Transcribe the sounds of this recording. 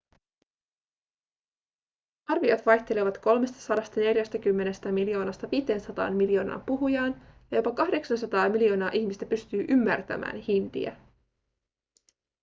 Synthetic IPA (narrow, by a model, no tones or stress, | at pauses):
ɑrʋiɑ̰t̪ʋɑjt̪e̞leʋɑt̪ko̞lme̞st̪ɑ̥sɑdɑst̪ɑne̞ljæst̪ɑk̟ymːe̞nest̪æmiljo̞ːnɑst̪ɑʋiːt̪e̞ːnsɑt̪ɑ̰ːnmiljo̞ːnɑ̰ːmpuɦujɑːnjɑjo̞pɑkɑhde̞ksɑnsɑt̪ɑːmiljo̞ːnɑːʔiçmist̪æpyst̪yːʔymːært̪æ̰mʔæ̰ːnhint̪ḭæ̰